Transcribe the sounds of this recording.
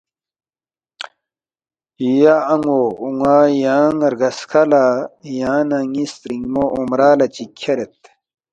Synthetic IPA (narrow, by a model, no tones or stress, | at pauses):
ijaːŋouŋaːjaːŋɐɾɡɐskʰɐlajaːnɐŋist̪ɾiŋmoʔomɾaːlɐt͡ɕikʲʰːɐɾet̪̚